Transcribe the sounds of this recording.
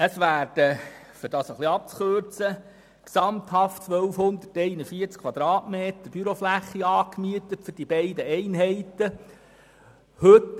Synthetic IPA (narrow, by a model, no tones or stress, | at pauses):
əsʋæːɾd̥ə | fʏd̥ɑːsəχliɑp̚t͡sχøɾt͡sə | ksɑmt̪hɑft͡sʋœlfhʊnd̪ətːɛɪnəfiəɾt͡skʰʋɑd̪ɾɑːtmeːt̪əb̥yɾoflæχːiɑːkmyət̪ətfʏrd̥ibɛɪdəɛɪnɦɛɪt̪ə | hɵt